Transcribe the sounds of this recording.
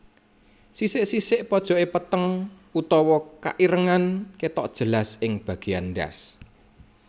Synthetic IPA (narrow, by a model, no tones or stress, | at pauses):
sisɪʔsisɪʔpɔd̥ʒ̥ɔ̤epət̪əŋ | ut̪ɔwɔka̰ʔiɾəŋanket̪ɔʔd̥ʒ̥ə̤lasɪŋb̥ä̤ɡ̥e̤a̰nɖa̰s